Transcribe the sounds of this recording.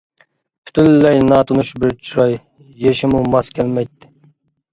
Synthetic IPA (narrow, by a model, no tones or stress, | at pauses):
pʰy̥t̪ʰylːɛjnɑːt̪ʰunuʃbɪɾt͡ʃʰuɾɑjː | eʃɪmumɑskʲʰɛlmɛjt̪ːɪ̥